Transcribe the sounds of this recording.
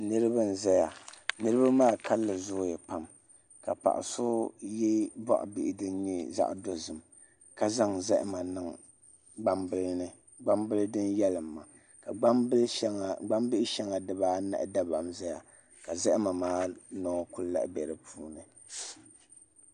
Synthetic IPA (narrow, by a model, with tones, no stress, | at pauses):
nɨ˦ɾɨ˦bɨ˦n̩˨zɛ˦ja˨nɨ˦ɾɨ˦ba˦maː˦˨kʰa˦lːɨ˨zʊ˦jɛ˨pa˦m | ka̰˨pa̰˨ʔa̰˨sʊ˦jɛ˦bɔ̰˦ʔʊ̰˨bi˨ʔɪ˨dɨ˦n˦ɲɛ˦za̰˦ʔdo˦zɨ˨m | ka˦za˦ŋzɛ˦ʔma˨nɨ˨ŋ | ɡ͡ba˦mbɨ˦lnɨ˦ | ɡ͡ba˦mbɨ˦ldɨ˦njɛ˦lɨ˨mːa˨ | ka˨˦˨ɡ͡ba˦mbɪ˦ɪ˦ʃɛ˦ŋa˨dɨ˨baː˦na̰˦ʔda˦ba̰˨mza˦ja˨ | ka˨zɛ˦ʔɪ˦ma˨maː˦nɔː˦ku˦lla̰˨ʔbɛ˨ɾɨ˨pʰuː˦nɨ˨